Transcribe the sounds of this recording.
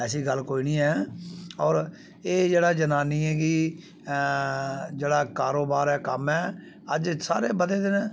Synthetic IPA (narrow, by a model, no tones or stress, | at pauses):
ɛːsiːɡəlkoːiːniːɛːɔːɾ | eːd͡ʒeːɽaːd͡ʒənaːniːɛːɡiː | d͡ʒeːɽaːkaːɾoːbaːɾɛːkəmɛː | əd͡ʒsa̰ːɾeːbəd̪eːd̪enː